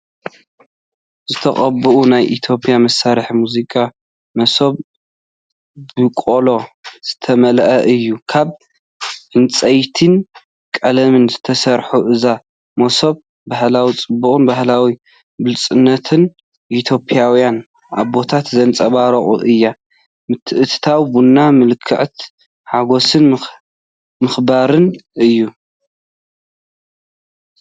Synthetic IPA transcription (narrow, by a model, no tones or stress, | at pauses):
zɨt̪ʰɐχʼɐbɨʔunajʔit̪ʰjo̞pʼjamɐsːaɾɨħmuzikʼa | mɐso̞β | bɨkʼolo̞z̥ɨt̪ʰɐmɐlʔɐʔɨjːukʰaβ | ʔɨnt͡sʼɐjt̪ʰɨn | kʼɐlɐmɨnzɨt̪ʰɐsɐɾħuʔɨza | mɐsoβ | bahlawit͡sʼɨbːuχʼɨnbahlawi | bɨlt͡sʼɨnːɐt̪ʰɨn | ʔit̪ʰjo̞pʼijawijan | aβbo̞t̪ʰat̪zɐnt͡sʼɐβaɾɐχʼṵʔɨjːa | mɨt̪ʰːɨʔɨt̪ʰɨ̥t̪ʰawbunːamɨlkʰːɨʕt̪ | ħaɡo̞sɨn | mɨxbaɾɨnɨjːu